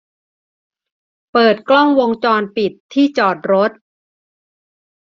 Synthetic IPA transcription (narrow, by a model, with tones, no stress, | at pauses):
pɤː˨˩t̪̚klɔ˥˩ŋwo˧ŋt͡ɕɔː˧npi˨˩t̪ʰːiː˥˩t͡ɕɔː˨˩t̪̚ɾo˦˥t̪̚